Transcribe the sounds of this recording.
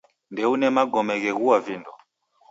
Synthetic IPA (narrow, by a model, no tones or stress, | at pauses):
ndɛunɛmaɡɔmɛɣɛɣuwavindɔ